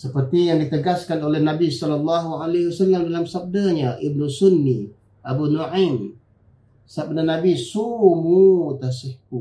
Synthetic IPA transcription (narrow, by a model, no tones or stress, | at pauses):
səpərt̪ijaŋdit̪əɡaskanolɛhnabisɔləlːaɦualeɦiwasalːamdalamsab̚daɲaʔib̚nusunːi | ʔabunuʕan | sab̚danabisumut̪asihku